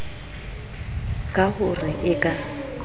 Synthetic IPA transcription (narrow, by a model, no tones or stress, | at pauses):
kʼaɣʊrɪʔɪkʼa